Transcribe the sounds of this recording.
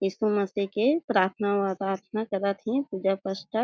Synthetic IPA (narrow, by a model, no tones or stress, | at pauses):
jiːsumɐsikepɾaːɾt̪ʰnaʋad̪aːɾt̪ʰnakəɾat̪ʰĩpuːd͡ʒapəʃʈə